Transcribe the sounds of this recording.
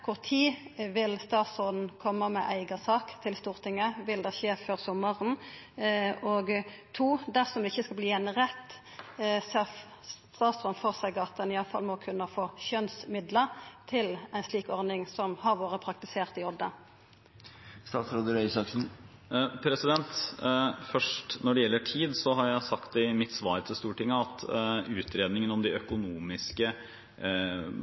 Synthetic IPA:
kʰʊʁt̪ʰiːʋɪlst̪ɑːt̪sɔːd̪n̩kʰɔmːəmɛʔæɪɡɑsɑːkt̪ʰɪlst̪uːʁt̪ʰɪŋːəʋɪld̪ɛçeːføːʁsɔməʁn | ɔɡt̪ʰuːd̪æʁsɔmd̪ɛɪçːəskɑbliːɛnəʁɛt̪ː | sɑ | t̪ɑːt̪sɔnfoːʁsæɪɡɑt̪̚d̪ɛnɪɑlfɑ̰lmɔkʰʉnːəfoːçœnsmɪd̪ləʁt̪ʰɪlæɪnsliːkɔɾdnɪŋsɔmhɑʁʋoːɾəpʰɾɑk̚t̪ɪseːʁt̪ɪɔd̪ə | st̪ɑːt̪sɾoːd̪əɾœʏsɑksn̩ | pʰɾɛsɪd̪ɛnt̪ | fœʂʈnɔɖɛjɛlːəʈʰiːd̪sɔɦɑɾjæɪsɑkt̪ɪmɪt̪sʋɑːɾt̪ʰɪlst̪uːʈɪŋːəɑt̪ʉːt̪ʰɾeːd̪nɪŋənɔmd̪ɪœkʊnuːmɪskə

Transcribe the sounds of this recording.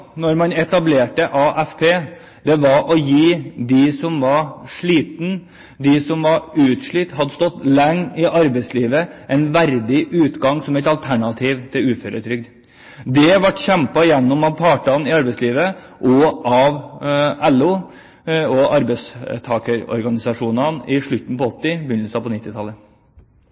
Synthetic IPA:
nɔɾmɑnɛt̪ɑbleːʈəʔɑːʔɛfpʰeː | d̪ɛʋɑɾʔɔjiːd̪ɪsɔmʋɑɾʂɭiːt̪n̩ | d̪ɪsɔmʋɑɾʉːt̪ʂɭiːt̪ɦɑd̪ːəst̪ɔt̪ːlɛŋːɪʔɑɾbɛɪsliːʋəʔɛnʋæɾd̪ɪʔʉːt̪ɡɑŋsɔmɛɪt̪ɑlt̪ʰæɳɑt̪ʰiːʋt̪ʰɪʉːføːɾət̪ʰɾʏɡ̚d̪ | d̪ɛʋɑʈːçɛmpɑɪjɛnːʊmɑʋpʰɑːʈɑnɪɑɾbɛɪsliːʋə | ʔɔʔɑʋɛlːu | ɔʔɑɾbɛɪst̪ʰɑːkəɾɔ̰ɾɡɑnɪsɑʂuːnɑnɪʂɭʉt̪ːn̩pɔɔt̪ːɪbʏnəlsəɑpɔnɪt̪ːɪt̪ʰɑlːə

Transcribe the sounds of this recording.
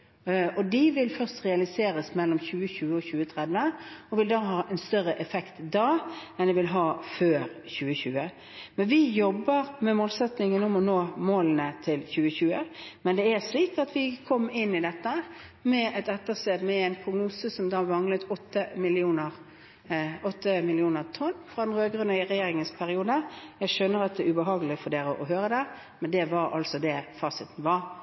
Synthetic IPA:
ɔd̪ɪʋɪlfœʁst̪ʁɛɑlɪseːɾəsmɛlːɔmçʉːəçʉːəɔɕʉːət̪ʰʁɛd̪ʋəɔʋɪld̪ɑːɦɑːʔɛnst̪œʁːəʔɛfɛkt̪d̪ɑːɛnd̪ɪʋɪlɦɑːføːʁçʉːəçʉːə | mɛnʋɪjɔbːəʁmɛmoːlsɛt̪nɪŋənɔmɔnoːmoːlənət̪ʰɪlçʉːəçʉːəmɛnd̪ɛæʁʂliːk̚t̪ɑt̪ʰʋɪkʰɔmːɪnːɪd̪ɛt̪ːə | mɛɛt̪ɛt̪ːəst̪eːd̪mɛæɪnpʰɾʊɡnuːsəsɔmd̪ɑːʋɑŋlət̪ɔt̪ːəmɪlɪuːnəʁ | ɔt̪ːəmɪlɪuːnəʁt̪ʰɔnːfɾɑd̪ɛnʁøːɡɾʉnəɾɛjeːɾɪŋənspʰæɾɪuːd̪əjæɪʃœnːəɾɑt̪̚d̪ɛːʉbəɦɑːɡəlɪfɔɖ̪eːɾəʔɔɦøːɾəd̪ɛ | mɛnd̪ɛʋɑɾɑ̰lsɔd̪ɛfɑːsɪt̪ən̩ʋɑɾ

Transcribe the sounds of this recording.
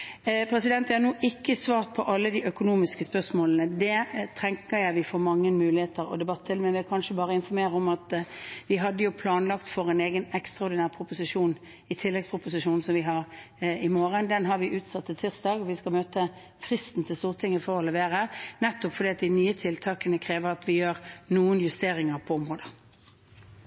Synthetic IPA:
pʰɾɛsɪd̪ɛnt̪jæhɑʁnuːʔɪkːəsʋɑːʁt̪̚pʰɔʔɑlːəd̪iːʔœkʊnuːmɪskəspœʁsmoːlənəd̪ɛt̪ʰʁɛŋkəɾjæɪʋɪfɔɾmɑŋːənmʉːlɪheːt̪əɾɔ̰d̪ɛbɑt̪ʰːɪlmɛnʋɪkʰɑnʂəbɑːʁəɪnfɔɾmeːʁəɔmɑt̪ʋɪɦɑd̪ːəjʊpʰlɑːnlɑkt̪fɔɾɛneːɡənɛkst̪ɾɑɔɾd̪ɪnæːʁpʰɾʊpʊsɪʂuːn | ɪt̪ʰɪlːɛɡspʰʁʊpʊsɪʂuːnsɔmʋɪɦɑʁɪmoːɾənd̪ɛnɦɑɾʋɪʔʉːt̪sɑt̪ʰːɪt̪ʰɪʁsd̪ɑːɡɔʋɪskɑlmøːt̪ə | fʁɪst̪n̩t̪ʰɪlst̪uːʁt̪ʰɪŋːəfɔɾɔlɛʋeːʁənɛt̪ːɔpfɔd̪iːɑt̪̚d̪ɪnyːət̪ʰɪlt̪ʰɑːkənəkʰɾeːʋəɾɑt̪ʋɪjøːɾnuːənjʉst̪eːɾɪŋəɾpʰɔɔmʁoːd̪ə

